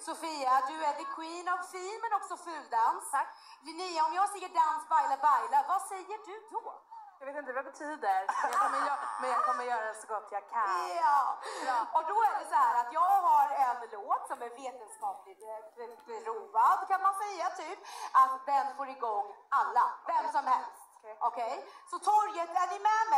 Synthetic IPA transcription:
sʊfiːad̪ɵæd̪ɪkʰwiːnavfiːnmɛnɔksɔfʉ̟ːd̪ans | d̪ɛnyːaɔmjɑːɡsɛjːəɖansbajlabajlavasɛjːəɖɵd̪ɔjaveːt̪ɪnt̪əvabɛt̪ʰyːd̪əɾjakkʰɔməjːmɛnjakʰɔmːəɾjœːɾad̪ɛsɔɡɔt̪ʰːjɑɡkʰanjɑ | ɔd̪ɔæɖɛsɔhæːɾat̪jɑːɡhaɾɛnloːt̪sɔmɛɾveːt̪ənskɑːplɪɡ | ɾuːvad̪kʰanmanfœjːat̪ʰyːpʔat̪d̪ɛnfoːɾɪɡɔŋːalːa̰vɛmsɔmhɛlst̪ʔɔkʰɛj | sɔt̪ʰɔɾjət̪æɾjɪmɛmɛ

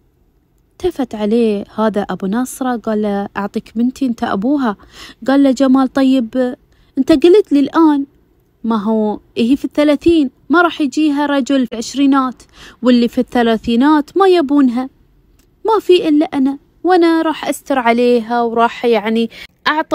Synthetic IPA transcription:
t̪afat̪ʕaleːhaːðaʔabunɑsˤɾˤɑɡaːlːaʔɑ̰ʕt̪ˤiːkmɪnt̪iʔɪnt̪aʔa̰buːɦa | ɡaːlːad͡ʒamaːlt̪ˤɑjːɪb | ʔɪnt̪aɡalɪt̪lilʔaːn | maɦuːʔɪɦifiθːalaːθiːn | maɾˤɑːħjd͡ʒiːɦaɾˤɑd͡ʒʊlfiʕɪʃɾiːnaːt̪ | wɪlːifiθːalaːθiːnaːt̪majabuːnɦa | mafiʔɪlːaʔana | wʔanaɾˤɑːħʔast̪ɑɾˤʕaleːɦawɾˤɑːħjaʕniʔɑʕt̪ˤ

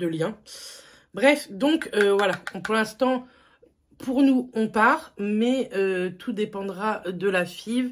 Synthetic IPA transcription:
d̪əljɛ̃ | bʁɛfd̪ɔ̃køvwalaɔ̃puʁlɛ̃st̪ɑ̃ | pʰuʁnuɔ̃paʁmɛøt̪ʰud̪epɑ̃d̪ʁaød̪əlafiv

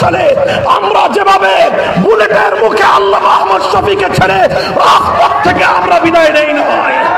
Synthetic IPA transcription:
ɔle | amɾad͡ʒebabe | bulet̪eɾmukʰealːamaɦmɔd̪ʃɔfiket͡ʃʰɛle | ɾaspɔk̚t̪ʰekeamɾabid̪ajɾejnaɦɔj

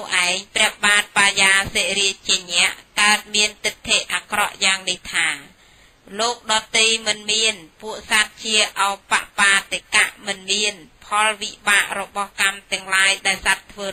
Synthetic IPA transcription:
uʔaɛŋprɛ̆əhɓaːt̪̚paːjaːseːɾiət͡ɕiəɲɛ̆əʔkaət̪̚miənt̪ɨt̪ʰːeʔʔaːkrɑʔjaːŋniht̪ʰaː | loːk̚ɗɑːt̪ijmɨnmiənpuəʔsat̪̚t͡ɕiəʔaɔjpa̰ʔpaːt̪ekaʔmɨnmiənpʰɑlʋiɓaːʔrɔɓɑhkamt̪ɛ̆əŋlaːjɗaɛlsat̪ʰːʋəː

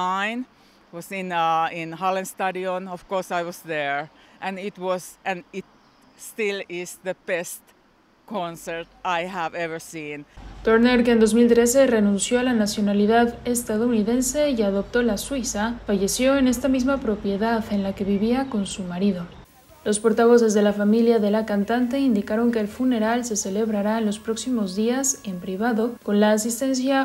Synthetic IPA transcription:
ãɪ̃n | wʌzɪ̃nɪ̃nhalˠɨ̃nstaɾiõnɔv̥kɔɹsaɪwʌzðə˞ʔɨ̃nɪt̚wʌzʔɨ̃nɪt̚ | stɪlˠɪzðəb̥ɛst | kʰɔ̃nsə˞taɪɦævɛvə˞sĩnt̪oɾneɾkeːnd̪o̞zmilt̪ɾe̞se̞re̞nũnsjo̞alanasjo̞naliðaðe̞st̪aðo̞uniðe̞nse̞iaðo̞p̚t̪o̞laswisafaʝe̞sjo̞e̞ne̞st̪amizmapɾo̞pje̞ðaðe̞nlake̞βiβiako̞nsumaɾiðo̞ | lo̞spo̞ɾt̪aβ̞o̞s̬e̞zðe̞lafamiljaðe̞lakant̪ant̪̬e̞ind̪ikaɾo̞ŋke̞ːlfune̞ɾalse̞se̞le̞βɾaɾaenlo̞spɾo̞ksimo̞zðiase̞mpɾiβaðo̞ko̞nlaːs̬ist̪e̞ns̬ja

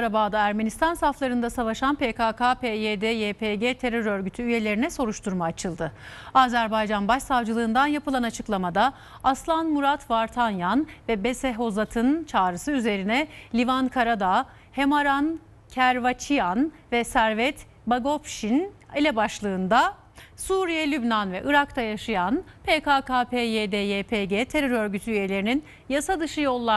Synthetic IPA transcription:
ɾabaːd̪aæɾme̞nist̪ʰansaflˠaɾɯnd̪asavaʃanpekakʰapejed̪ejepʰeɟeːt̪ʰe̞ɾøɾø̞ɾɟyt̪ʰyyje̞lʲe̞ɾinɛso̞ɾuʃt̪ʰuɾmaːt͡ʃʰɯlˠd̪ɯaːzæɾbajd͡ʒanbaʃsavd͡ʒɯlˠɯːnd̪anjapɯlˠanat͡ʃʰɯ̥klˠamad̪a | aslˠanmuɾat̪ʰvaɾt̪ʰanjanvɛbesɛɦo̞zat̪ʰɯnt͡ʃʰaːɾɯsɯyze̞ɾinɛlʲivankʰaɾad̪a | he̞maɾan | cʰæɾvat͡ʃʰijan | vɛsæɾvɛt̪ | baɡo̞pʃinilʲɛbaʃlˠɯːnd̪a | suːɾijɛlʲybnanvɛʔɯɾakt̪ʰajaʃɯjanpʰekaːkaːpʰeːjeːd̪ejeːpʰeɟeːt̪ʰe̞ɾøɾø̞ɾɟyt̪ʰyyje̞lʲe̞ɾinin | jasad̪ɯʃɯjo̞lˠːa

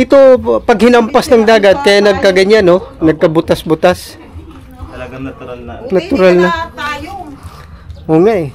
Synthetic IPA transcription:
ʔɪt̪opɐɡhɪnɐmpasnɐŋd̪aːɡɐt̪̚kɐjanɐɡ̚kɐɡɐɲanonɐɡ̚kɐbʊt̪asbʊt̪as | nɐt̪ʊɾalnɐ | ʔoːŋaʔɛ

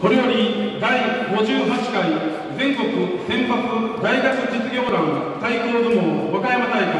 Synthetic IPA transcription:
ko̞ɾejo̞ɾʲid̪aiɡo̞ʑɨːɦat͡ɕi̥kai | zẽ̞ŋko̞kɯ̟sẽ̞mpat͡sɨd̪aiɡakɯt̪et͡sɨɾʲo̞ːɾãɰ̃ | t̪aikoːd̪emoβakajamanaika

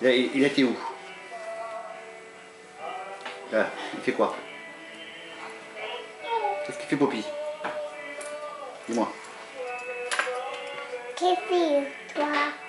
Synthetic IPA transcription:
ilaiilat̪eu | lailfɛkwa | tɛskifɛpopi | d̪imwa | kɛfit̪wa

